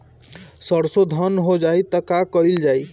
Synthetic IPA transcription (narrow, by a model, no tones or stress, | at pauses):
səɽsod̪ʱənɦod͡ʒajt̪əkakəild͡ʒaj